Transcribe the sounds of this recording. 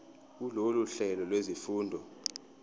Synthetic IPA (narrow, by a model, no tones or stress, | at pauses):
uloluɬɛlɔlwezifuːndʱɔ